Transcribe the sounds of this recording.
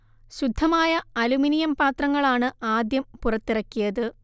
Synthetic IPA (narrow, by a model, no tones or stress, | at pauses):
ɕud̪ʱːɐmaːjɐɐluminijɐmpaːt̪rɐŋːɐɭaːɳɨaːd̪jɐmpurɐt̪ːirɐkʲːijɐðɨ